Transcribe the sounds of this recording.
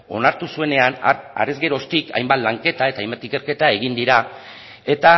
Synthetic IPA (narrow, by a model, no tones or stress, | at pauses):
o̞naɾt̪usue̞ne̞ana̰re̞zɣe̞ɾo̞st̪ika̰jmbat̪laŋke̞t̪ae̞t̪ajmbat̪ike̞ɾke̞t̪ae̞ɣ̞ind̪iɾa | e̞t̪a